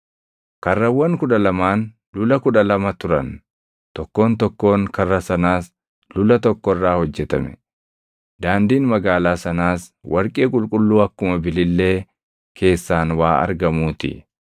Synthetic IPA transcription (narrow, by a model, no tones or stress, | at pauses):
kɐrːɐwːɐŋkʊᶑɐlɐmaːn | lʊlɐkʊᶑɐlɐmɐt̪ʊɾɐn | t̪ɔkːo̞ːnt̪ɔkːo̞ːŋkɐrːɐsɐnaːs | lʊlɐt̪ɔkːɔrːaːhɔd͡ʒːɛt̪ɐ̰mɛ̰ | d̪aːnd̪iːnmɐɡaːlaːsɐnaːswʔɐɾkʼeːkʼʊlkʼʊlːuːɐkːʊmɐbɪlɪlːe̞ː | kʰe̞ːsːaːnwaːɐ̰ɾɡɐmuːt̪ɪ̰